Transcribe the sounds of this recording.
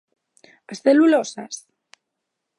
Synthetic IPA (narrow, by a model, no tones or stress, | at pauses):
asθelulosas